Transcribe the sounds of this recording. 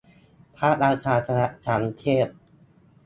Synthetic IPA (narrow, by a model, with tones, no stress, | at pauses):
pʰaː˦˥˩t̪̚ɾaː˧kʰaː˧t̪ʰa˧na˧˥t͡ɕʰa˦˥nt͡ɕʰeː˥˩p̚